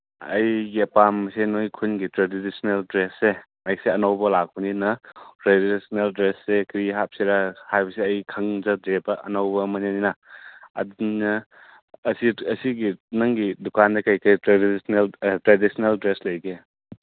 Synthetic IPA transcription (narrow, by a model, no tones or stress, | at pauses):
ɐ̰jɡiɐpamsenojkʰunɡitɾedidisneldɾese | majseɐnɐwbɐlak̚buninɐtɾedisneldɾesːekɾiɦap̚siɾahajbɐsiɐjkʰɐŋd͡ʒɐdebɐʔɐ̰nɐwbɐmɐneninɐɐ̰dinɐː | siɐsiɡinɐŋɡidukandɐkɐjkitɾedsneltɾedisneldɾeslɐjɡe